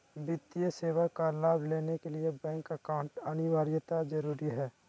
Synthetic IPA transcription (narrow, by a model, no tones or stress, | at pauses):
bɪt̪ijəseːwəkːalaːbʱleːnekeliebɛ̃ːŋkəkaʊ̃ɳʈɐnɪʋaːɾijət̪ad͡ʒɐɾuːɾiɦɛː